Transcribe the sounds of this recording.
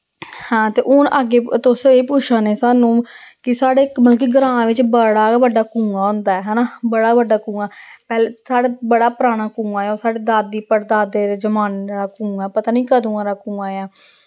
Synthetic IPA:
hãːt̪eːʔʊnʔaɡeːt̪ʊseːpʊt͡ʃʰaːneːsaːnũːkɪsaːɽeːməlk̬iɡəɾãːʋɪt͡ʃbəɽaːbəɖaːkũːãːɦõnd̪aːɛːɦɛːnaːbəɽaːbəɖaːkũːɡaːpɛːleːsaːɽaːbəɽaːpəɾaːɽ̃aːkũːãːjoːsaːɽeːd̪aːd̪ːiːpəɾd̪aːd̪eːɾed͡ʒəmaːnɾaːkũːãːpət̪aːnĩːkəd̪ũːãːɾaːkũːaːeaː

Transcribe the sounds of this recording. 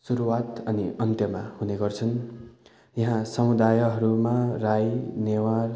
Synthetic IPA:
suɾuwat̪ʌniʌnt̪jʌmahuneɡʌrt͡sʰʌn | jʌɦãsʌmud̪ajʌɦʌɾumarajnewar

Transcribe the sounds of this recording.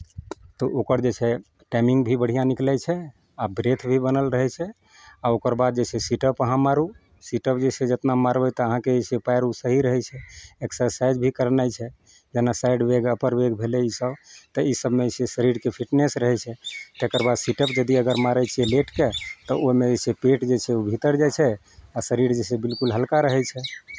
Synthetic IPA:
t̪ɔʔokəɾd͡ʒet͡ʃʰɛ | ʈamĩŋɡbʱibəɽ̤ijãniklɛt͡ʃʰɛ | abɾet̪ʰbʱibənəlɾəɦɛt͡ʃʰɛ | aokəɾbad̪̚d͡ʒet͡ʃʰɛsiʈəpəɦãmaɾu | siʈəpd͡ʒet͡ʃʰɛd͡ʒət̪namaɾbɛt̪ɔəɦãkesʰepajɾusəɦiɾəɦɛt͡ʃʰɛeksəɾsajd͡ʒbʱikəɾnajt͡ʃʰɛ | d͡ʒenasaiɖbeɡəpəɾbeɡbʱeleisəbt̪əisəbmesesəɾiɾkepʰiʈnesɾəɦɛt͡ʃʰɛt̪ekəɾbad̪siʈəpd͡ʒəd̪iəɡəɾmaɾət͡ʃʰieleʈket̪ɔomed͡ʒesʰepeʈd͡ʒet͡ʃʰɛobʱit̪əɾd͡ʒat͡ʃʰɛ | asəɾiɾd͡ʒesebilkulɦəlkaɾəɦɛt͡ʃʰɛ

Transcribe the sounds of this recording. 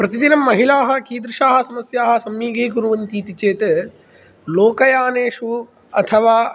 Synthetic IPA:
pɾɐt̪id̪inɐmːɐɦilaːɦɐ̆kiːd̪ɾuʃaːɦɐ̆sɐmɐsjaːɦɐ̆sɐmːiːɡɐikuɾuʋɐnt̪iːt̪it͡ʃeːt̪e | loːkɐjaːneːʂu | ɐt̪ʰɐʋaː

